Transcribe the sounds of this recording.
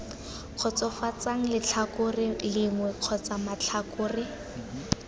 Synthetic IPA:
q͡χʰɔt͡sɔfat͡saŋ̩lɪt͡ɬʰakʊrɪlɪŋwɛq͡χʰɔt͡samat͡ɬʰakʊːrɪ

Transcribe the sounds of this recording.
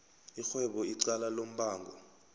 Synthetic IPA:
ixwɛɓɔiǀalalom̩ɓaːŋɡʱɔ

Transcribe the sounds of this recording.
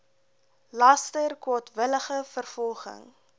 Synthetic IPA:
lɐstərkwɔtvələχəfərfɔlˠχə̰ŋ

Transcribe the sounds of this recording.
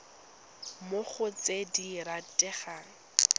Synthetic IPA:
mʊχʊt͡sediɾatʼɛχaːŋ̩

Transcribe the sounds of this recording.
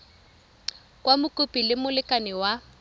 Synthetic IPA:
kʼwamʊkʼʊpʼilɪmʊlɪkʼanɪwa

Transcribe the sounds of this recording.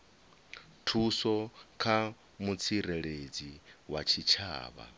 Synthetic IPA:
tʰusɔkʰa | mut͡sʰiɾɛɺed͡ziwat͡ʃʰit͡ʃʰa̰ːβa̰

